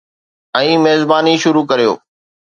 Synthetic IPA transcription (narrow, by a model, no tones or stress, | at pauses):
ɛ̃ːmeːzbaːniʃʊɾuːkəɾijo̰ː